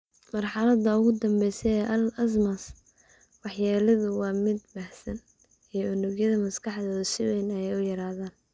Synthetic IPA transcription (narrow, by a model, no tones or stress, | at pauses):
mɑrħɑlɐd̪ɐʊɣʊd̪ɐmbɛjsɛɛʔɐlɐs̬mɐs | wɑħjaːlɐðʊwɑːmɪd̪̚baːhsɐn | iːʊnʊɡjɐðɐmɐskʰɑħðɔːðɐsɪwɛjnɐjɛjʊjɐɾaːðaːn